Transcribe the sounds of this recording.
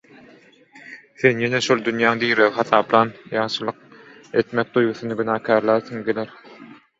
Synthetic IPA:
θe̞njeneʃolˠd̪ynjæːŋd̪iːɾeɣixɑθɑːplˠɑːnjɑːʃɯlˠɯq̚ | e̞t̪mek̚d̪ujɡuθunɯɡynæːkʲʰæːɾlˠɑɾθɯŋɡeleɾ

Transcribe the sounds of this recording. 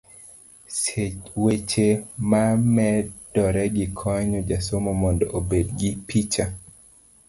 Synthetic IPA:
swet͡ʃemamɛd̥ɔɾɛɡikʰɔɲod͡ʒasomomɔndɔʔobedɡipit͡ʃa

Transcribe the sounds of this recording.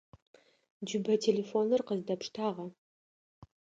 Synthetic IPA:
d͡ʒʊbɐtʰeːleːfoːnɨrqəzdɐpʂtʰaːʁɐ

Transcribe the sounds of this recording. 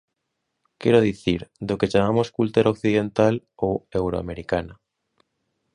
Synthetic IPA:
kɛɾoð̞iθiɾd̪oket͡ʃamamoskult̪eɾʔaokθiðent̪al | oewɾoa̰meɾikana

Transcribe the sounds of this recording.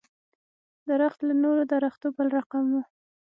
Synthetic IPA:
d̪əɾaxt̪lanoɾod̪aɾaxt̪obəlɾaqamwu

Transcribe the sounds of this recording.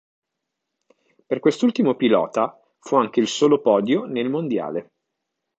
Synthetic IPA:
perkwest̪ult̪imopilɔ̰ːt̪a | fuaŋk̟eilsoːlopɔːd̪jonelmond̪ja̰ːle

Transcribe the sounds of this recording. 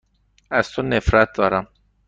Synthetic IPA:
ast̪unːefɾat̪aɾa

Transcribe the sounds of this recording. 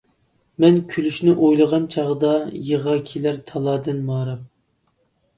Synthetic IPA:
mɛnkʲʰylyʃnɪʔojlˠəʁɑnt͡ʃʰɑʁəd̪ɑjəʁɑkʲʰelæɾt̪ʰɑlˠɑːd̪ɨnmɑːɾɑm

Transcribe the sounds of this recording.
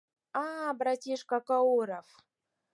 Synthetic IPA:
abɾatʲiʂkakaoɾaf

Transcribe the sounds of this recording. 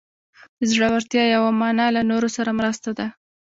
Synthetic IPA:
zɽawaɾt̪jɑjawamɑnɑlanoɾosaɾamɾəst̪ad̪a

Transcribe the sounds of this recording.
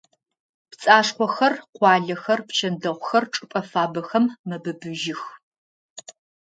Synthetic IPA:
pt͡sʼaːʂqʷɔxɐrqʷɑːɮɐxɐrpt͡ʃʰɐndɐʁʷxɐrʈ͡ʂʼɨpʼɐfaːbɐxɐmːɐbɨbɨʒɪx

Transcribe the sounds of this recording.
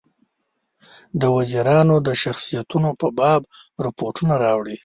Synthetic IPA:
d̪əwaziɾɑnod̪əʃaxsijat̪unopəbɑbɾapoʈunaɾɑwɽi

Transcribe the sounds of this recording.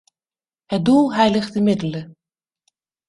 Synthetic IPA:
hət̚dulˠɦɛjləχtdəmɪdələ

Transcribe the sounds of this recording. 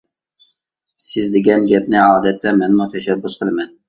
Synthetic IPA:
sɪzd̪ɪɡʲɛnɡʲɛp̚nɪɑːd̪ɛt̪ʰːɛmɛnmut̪ʰɛʃɛbːusqʰəlˠɨmɛn

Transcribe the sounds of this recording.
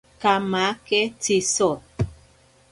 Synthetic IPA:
kamakɛtisɔ

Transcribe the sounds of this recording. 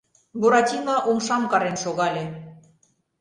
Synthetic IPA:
buɾɑt̪ʲinɑʔomʃɑmkɑɾenʃoɣɑlʲe

